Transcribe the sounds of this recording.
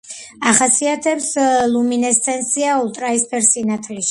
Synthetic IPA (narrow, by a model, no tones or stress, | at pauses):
aχasiat̪ʰɛpslˠuminɛst̪ʰɛnsiaulˠt̪ʼɾaispʰɛɾsinat̪ʰliʃ